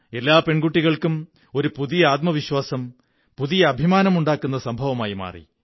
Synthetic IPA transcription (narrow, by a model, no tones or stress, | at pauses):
e̞lːaːpe̞ɳɡuʈːiɣɐɭkum | o̞ɾupuðijɐaːt̪̚mɐʋiɕwaːsɐm | puðijɐːbʱimaːnɐmuɳɖaːkːun̪ːɐsɐmbʱɐʋɐmaːjima̰ːrḭ